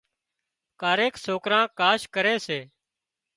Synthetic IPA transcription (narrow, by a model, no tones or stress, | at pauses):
kaːɾeːksoːkɾãːkaːʃkəɾeːseː